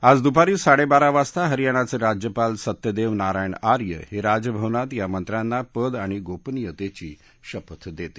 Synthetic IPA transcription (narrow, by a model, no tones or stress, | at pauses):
ad͡zd̪upaɾiːsaɽebaɾaʋast̪aɦəɾjaɽ̃at͡seɾad͡ʑjəpalsət̪jəd̪eʋnaɾajɳaɾjə̰heɾad͡ʑəbʱəʋnat̪jamənt̪ɾãnːapəd̪aɽ̃iɡopnijət̪et͡ɕiː | ɕəpət̪d̪et̪i̥